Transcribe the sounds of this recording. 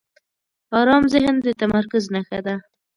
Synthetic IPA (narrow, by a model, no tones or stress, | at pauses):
ɑɾɑmzɪɦnd̪ət̪amaɾkʊznaxad̪a